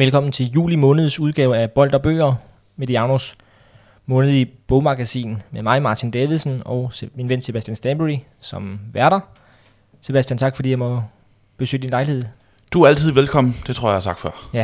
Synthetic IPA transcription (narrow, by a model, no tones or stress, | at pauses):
ʋelkʰɒ̽m̰n̩t͡sʰe̝ljṵːlimɔ̽ːnəð̞ˠsuð̞ˠɡ̥ɛːʊæb̥ɒ̽l̰d̥ɒb̥ø̰ːɐ | med̥iɑ̈nos | mɔ̽ːnəð̞̩ˠib̥ɔʊmɑ̈ɡ̥æsḭːnmemɑ̈ɪmɑ̈ːt͡sʰind̥eʋisn̩ɒ̽ʊminʋen̰se̝b̥æsd̥jænsd̥ænb̥əʁi | sɒ̽mʋæɐɾ̥ɐ | se̝b̥æsd̥jænt͡sʰɑ̈ɡ̥fɒdḭjɑɪmɒ | b̥e̝sø̰ːd̥inlɑ̈ɪlihe̝ð̰ˠ | d̥uæælt͡sʰið̞̰ˠʋelkʰɒ̽m̰n̩d̥e̝t͡sʰʁo̝ɐ̰jät͡sʰɑ̈ɡ̥fɶɐ̰